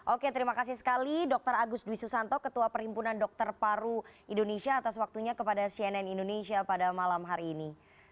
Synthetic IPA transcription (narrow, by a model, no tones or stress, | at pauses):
ʔoket̪əɾimakas̬isə̥kalidɔk̚t̪əɾaɡʊsduisusant̪ɔkət̪uapəɾimpunandɔk̚t̪ərpaɾuindonesiaːt̪aswak̚t̪uɲakəpadasiɛnɛnindonesiapadamalamɦaɾiːni